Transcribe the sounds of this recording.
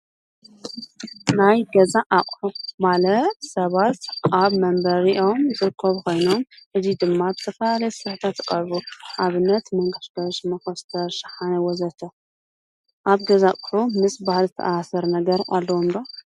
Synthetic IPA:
najɡɐzaʔakʼħumalɐt̪sɐβat̪ʔaβmɐmbɐɾiʔo̞mzɨɾɨkʰːɐβkʰo̞jno̞mʔɨzid̪ɨmːabɨt̪ʰɐfɐlalɐjɛsɨɾɨħɨt̪ʰat̪ːɨkʼɐɾβuʔaβɨnːɐt̪mɐŋɡɨʃɡɐʃmɐxɐst̪ʰɐɾʃɨ̥ħanɐwɔzɐt̪ʰɐ | ʔaβɡɐzakʼħumɨsbahlzɨt̪ʰɐ̰ʔasɐɾnɐɡɐɾʔa̰lːɐwomdo

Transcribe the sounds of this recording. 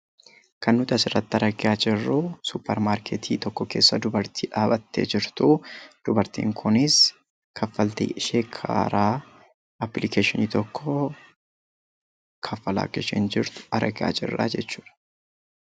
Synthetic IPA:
kɐnːʊt̪ɐsɪrːɐt̪ːɐɾɐɡɪaːd͡ʒɪrːʊsʊpːɛɾmaːɾkʰet̪ʰiːt̪ɔkːɔkḛːsːɐd̪ʊbɐɾt̪ʰiːᶑaːbɐt̪ːḛːd͡ʒɪɾt̪ʊd̪̥ʊbɐɾt̪ḭːŋkʰʊnɪs | kʰɐfːɐlt̪ḭːʃeːkʰa̰ːɾaː | ɐpːlɪkeːʃɪniːt̪ɔkʰːɔ | kʰɐfːɐla̰ːkɪʃɛ̰nd͡ʒɪɾt̪ʊ̥ɐɾʔɐɡɪa̰ːd͡ʒɪ̰rːa̰ːd͡ʒɛt͡ʃːuːᶑɐ̥

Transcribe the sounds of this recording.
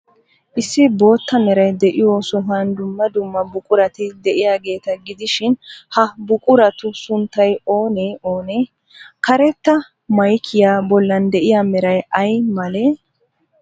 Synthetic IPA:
ʔɪsːɪbo̞ːt̪ːɐmɛɾɐjd̪ɛʔɪjoːsʊɦɐnd̪ʊmːɐd̪ʊmːɐbʊkʼʊɾɐt̪ɪd̪ɛʔɪjaːɡe̞ːt̪ɐɡɪd̪ɪʃɪnhɐbʊkʼʊɾɐt̪ʊsʊnt̪ːɐjo̞ːneːo̞ːneː | kɐɾɛt̪ːɐ | mɐjkʰːɪjaːbɔlːɐnd̪ɛʔɪjaːmɛɾɐjɐjmɐleː

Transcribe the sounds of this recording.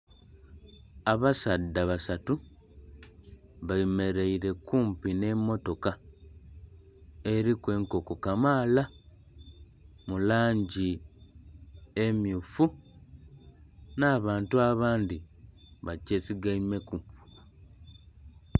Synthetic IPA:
aβasadːaβasatu | βajime̞ɾeiɾe̞kuːmpine̞mːo̞to̞ka | e̞ɾikwe̞ːŋko̞ko̞kamaːla | mulaːɲɟi | emjufu | naːβaːntuaβaːndiβace̞siɡaime̞ku

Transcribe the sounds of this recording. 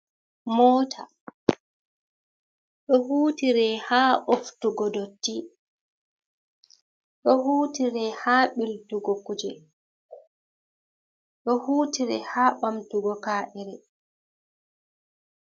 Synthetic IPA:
mɔːtʰa | ɗɔhuːtiɾɛhaːʔoftuɡɔdotːi | ɗɔhuːtiɾɛhaːɓiltuɡɔkud͡ʒɛ | ɗɔhuːtiɾɛ̰haːɓamtuɡɔkaːʔɛɾɛ

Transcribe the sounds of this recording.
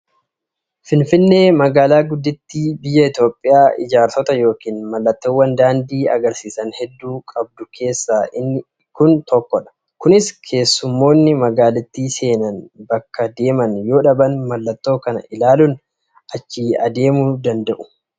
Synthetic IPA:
fɪnfɪnːe̞ːmɐɡaːlaːɡʊd̪ːɪt̪ːiːbɪjːɐɪt̪jo̞ːpʼːɪjaːʔɪ̰d͡ʒaːɾsɔt̪ɐjo̞ːkiːnmɐlːɐt̪ːoːwːɐnd̪aːnd̪iːɐ̰ɡɐɾsiːsɐnhɛd̪ːuːkʼɐb̚d̪ʊkʰe̞ːsːaːɪ | kʊnt̪ɔkːɔᶑɐ̥ | kʊnɪskʰe̞ːsːʊmːo̞ːnːɪmɐɡaːlɪt̪ːiːse̞ːnɐnbɐkːɐd̪e̞ːmɐnjo̞ːᶑɐbɐnmɐlːɐt̪ːo̞ːkɐnɐ̰ʔɪlaːlʊn | ʔɐt͡ʃːiːɐd̪e̞ːmʊd̪ɐnd̪ɐʔʊ̥

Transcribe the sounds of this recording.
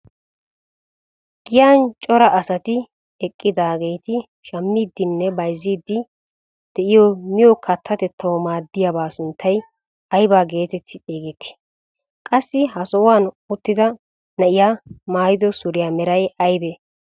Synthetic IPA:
ɡ̥ɪjaːnt͡ʃʼɔɾɐʔɐsɐt̪ɪ | ɛkʼːɪd̪aːɡejt̪ɪ | ʃɐmːiːd̪ːɪnːɛbɐjzːiːd̪ːɪ | d̪̥ɛʔɪjɔmɪjɔkʰɐt̪ʰːɐt̪ɛt̪ʰːɐwɔmaːd̪ːɪjɐbaːsʊnt̪ʰːɐj | ɐjbaːɡe̞ːt̪ɛt̪ʰːɪeːɡɛt̪ːɪ̥ | kʼɐsːɪɦɐsɔwaːn | ʊt̪ːɪd̪ɐ | nɐʔɪjamaːjɪd̪ɔsʊɾɪjamɛɾɐjɐjbɛ

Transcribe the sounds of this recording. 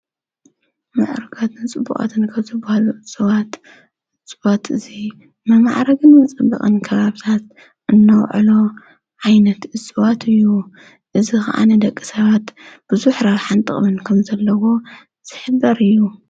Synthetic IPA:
mɨʕɾɨɡat̪ʰɨnt͡sʼɨbːṵχʼa̰t̪ʰɨnkʰaβzɨbːahaluʔɨsʼɨβat̪ | ɨt͡sʼːɨβat̪ʰɨzi | mɨmaʕɾɐɡɨnmɐt͡sʼɐbːɐ̰χʼɐnkʰɐβaβt̪ʰat̪̚ | ʔɨnːɐwʕɨ̰lo̞ | ʕajnɐt̪ɨsʼɨβat̪ʰɨjːu | ʔɨzixɐ̰ʔa̰ned̪ɐkʼːisɐβat̪b̥ɨzuħɾɐβħant̪ʼɨχʼmɨnkʰɐmzɐlːɐwo̞ | z̥ɨħɨbːɐɾɨjːu

